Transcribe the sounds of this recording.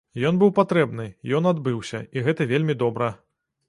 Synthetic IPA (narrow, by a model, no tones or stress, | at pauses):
jɔnbɨwpat̪ɾɛbnɨjɔnad̪bɨwsʲɐ̰iɣɛt̪ɐvʲelʲmʲid̪ɔbɾɐ